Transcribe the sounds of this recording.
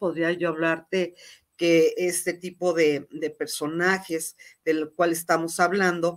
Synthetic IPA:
po̞ðɾiaʝoaβlaɾt̪e̞ | keest̪e̞t̪ipo̞ðe̞d̪e̞pe̞ɾso̞naxe̞zð̥e̞lkwale̞s̬t̪amo̞saβlãnd̪o̞

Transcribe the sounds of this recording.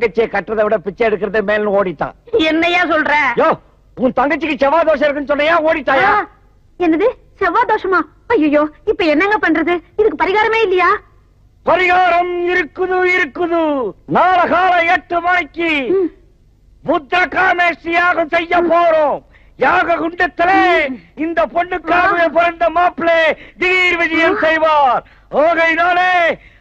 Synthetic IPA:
ɡɐt͡ʃːɪjekɐʈːɐðɐʋɪɽɐpɪt͡ʃːɐɛɽɯkːɯɾɐðɯmeːlnɯ̃oːɽɪt̪ːã̰ːɛnːɐjaːsɔlɾɛ̃ːjoː | ʊ̃t̪ɐŋɡɐt͡ʃːɯkːɯt͡ʃɛʋaːd̪oːʂɐɪɾɯkːɯnːsɔnːɐjaːoːɽɪt̪ːãːjaː | ɛnːɐðɯ | sɛʋaːd̪oːʂɐmaː | ɐjːɐjoːɪpːɐɛnːɐŋɡɐpɐɳːrɾɐðɯɪðɯk̬ːɯpɐɾɪɣaːɾɐmeːɪlːɐjaː | pɐɾɪɣaːɾɐmɪɾɯkːɯðɯɪɾɯkːɯðɯnaːlɐɣaːlɐɛʈːɯmɐɳɪkːi | mʊt̪ɾɐkaːmeːsɪjaːɣɐsɛjːɐpːoːɾõ | jaːɣɐkʊɳɖɐt̪ːɪleːɪnd̪ɐpɔɳːɯkːaːʋɪjepɔɾɐnd̪ɐmaːpːɪleːd̪ɪɣiːɾʋɪd͡ʒɐjɐmsɛjʋaːɾ | oːɣɐɪnaːleː

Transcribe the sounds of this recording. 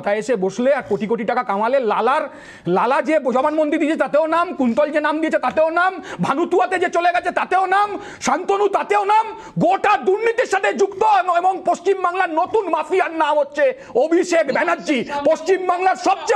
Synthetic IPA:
t̪aeʃeboʃleaɾkoʈikoʈiʈakakãm̃alelalaɾ | lalad͡ʑebd͡ʑɔbanmõnd̪iɾd̪iet͡ʃʰet̪at̪eonamkunt̪ɔld͡ʑenamd̪iet͡ɕʰet̪at̪eonambʱanut̪uat̪ed͡ʑet͡ɕoleɡɛt͡ɕʰet̪at̪eonam | ʃant̪onut̪at̪eonam | ɡoʈad̪uɾnit̪iɾʃat̪ʰed͡ʑukt̪oeboŋpost͡ɕimbaŋlaɾnot̪unmafiaɾnamɦotːɕʰe | obʱiʃekbɛnadːd͡ʑipost͡ɕimbaŋlaɾʃɔbt͡ɕe

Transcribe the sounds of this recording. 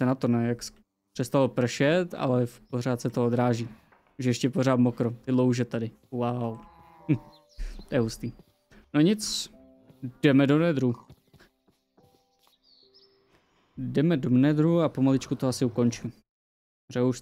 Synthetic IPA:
sɛnat̪onɛːjaks | pr̥ɛst̪alpr̩ʃɛt̪a̰lɛpor̝aːt̪sɛt̪ood̪ɾaːʒiː | uʒjɛʃcɛpo̞ɾ̝aːt̪mokɾot̪ɪlowʒɛt̪adɪ | waw | t̪ojɛɦust̪iː | noɲɪt͡s | d̥ɛmɛdonɛd̪ɾu | dɛmɛdomnɛd̪ɾuapo̞malɪt͡ʃkut̪oasɪuko̞nt͡ʃɪ | rɛuʃ

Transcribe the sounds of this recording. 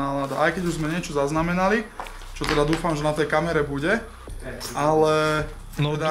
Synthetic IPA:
aːlad̪aʔajkɛɟuʒzmɛɲɪɛt͡ʃɔzaznamɛnali | t͡ʃɔt̪ɛd̪ad̪uːfamʒɛnat̪ɛjkamɛɾɛbuɟɛ | ʔalɛ | nd̪a

